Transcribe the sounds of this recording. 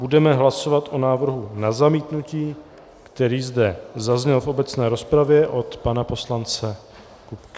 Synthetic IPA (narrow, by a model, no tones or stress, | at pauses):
budɛmɛɦlaso̞vat̪ʔo̞naːvr̩ɦunazamiːt̪nuciː | kt̪ɛɾiːzdɛzazɲɛlfo̞bɛt͡snɛːɾo̞spɾavjɛʔo̞t̪panapo̞slant͡sɛ | kupkɪ